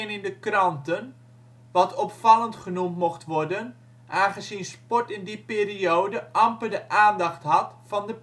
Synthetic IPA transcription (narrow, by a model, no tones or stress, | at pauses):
nɪndəkrɑntən | ʋɑtɔpfɑlˠəntχənumtmoxtʋɔrdən | ʔaːχəzinspɔɹtɪndipeːriowdəʔɑmpədəʔaːndɑχtɦɑtfɑndə